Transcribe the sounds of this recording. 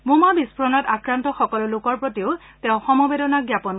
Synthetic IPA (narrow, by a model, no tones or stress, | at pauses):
mumabispʰɹɔnɔtakɹantɔxɔkɔlʊlʊkɔɹpɹotiʊ | tɛʊ̃xɔmɔbedɔnaɡjapɔn